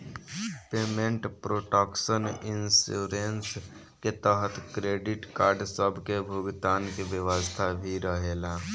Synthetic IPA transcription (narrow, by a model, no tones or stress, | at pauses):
pemeɳʈpɾoːʈaksəninsuɾens | ket̪əɦət̪kɾeɖɪʈkaːɾɖsəbʱkebʱuɡt̪aːnkeʋjəʋəst̪ʰabʱiɾəɦela